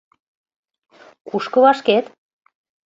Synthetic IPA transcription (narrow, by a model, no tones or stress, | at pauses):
kuʃkɤ̆βɑʃket̪